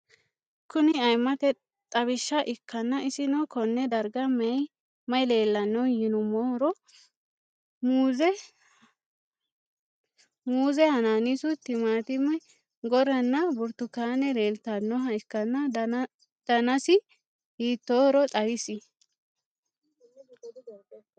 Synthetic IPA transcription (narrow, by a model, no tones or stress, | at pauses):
kʊnɪɐjmɐt̪ɛ | t̪ʼɐβɪʃːɐʔɪkʰːɐnːɐɪsɪnɔkɔnːɛd̪ɐɾɡɐmɛj | mɐjle̞ːlːɐnːɔwjɪnʊmɔɾɔ | mːɛ | muːzɛhɐnaːnɪsʊt̪ːɪmaːt̪ɪmɐj | ɡɔɾɐnːɐbʊɾt̪ːʊkaːnɛɾeːlt̪ːɐnːɔɦɐɪkːɐnːɐ | d̪̥ɐnɐsɪ | hiːt̪ːoːɾɔt̪ʼɐbɪsɪ